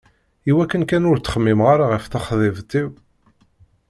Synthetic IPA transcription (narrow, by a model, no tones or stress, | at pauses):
iwækːənkænʊɾt͡s̪ːə̥χəmːimʁaɾaʁəfθaχðɪvt̪ːiw